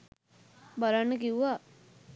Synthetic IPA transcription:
baɾanːəkiuʋa

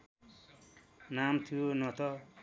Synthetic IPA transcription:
namt̪ʰuonʌt̪ʌ

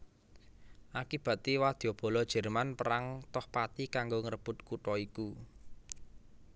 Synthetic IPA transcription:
ʔakib̥a̤t̪iwad̪̥ob̥ɔ̤lɔd̥ʒ̥ɛ̤rmanpəɾaŋt̪ɔhpat̪ikaŋɡoŋəɾəb̥ʊ̤t̪̚kuʈɔiku

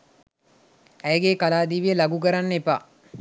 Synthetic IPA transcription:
æjəɡeːkalaːd̪iːʋijəlaɡuk̬əɾanːepa

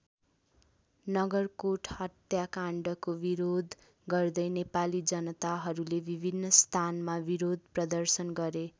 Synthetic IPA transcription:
nʌɡʌrkoʈʰhʌt̪jakaɳɖʌkobiɾod̪ | ɡʌrd̪ʌjnepalid͡zʌnʌt̪aɦʌɾulebʱibʱinːʌst̪ʰanmabiɾod̪̚ʱprʌd̪ʌrsʌnɡʌɾe

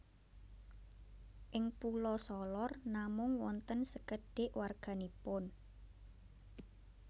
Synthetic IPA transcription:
ʔɪŋpulɔsɔlɔrnamʊŋwɔnt̪ənsəkəɖ̥ɪʔwarɡ̥a̤nipʊn

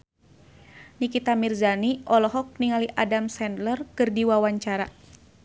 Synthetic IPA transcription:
nikit̪amirzaniʔɔlɔɦɔk̚niŋaliʔadamsɛndlərkɨrdiwawaɲt͡ʃaɾa

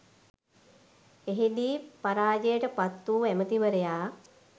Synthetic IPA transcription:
eɦid̪iːpaɾaːd͡ʒejəʈəpat̪ːuːæmət̪iʋəɾejaː

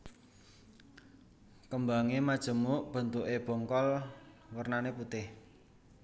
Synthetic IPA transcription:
kəmbaŋemad̥ʒ̥ə̤muʔb̥ə̤nt̪uʔeb̥ɔ̤ŋkɔl | wərnaneput̪ɪh

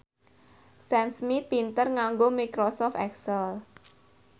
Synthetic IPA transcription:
sɛmsmit̪̚pint̪ərŋaŋɡomikɾosɔft̪ɛksəl

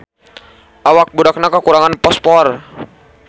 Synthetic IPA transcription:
ʔawak̚budak̚nakakuɾaŋanpɔspɔr

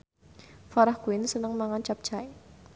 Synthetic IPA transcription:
faɾɔhɡ̥uɪnsənəŋmaŋɔnt͡ʃap̚t͡ʃaɪ

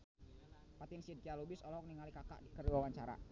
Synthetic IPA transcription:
pat̪ɪnsid̚kialubɪsɔlɔk̚niŋalikaka̰ʔikərduawaɲt͡ʃaɾa̰

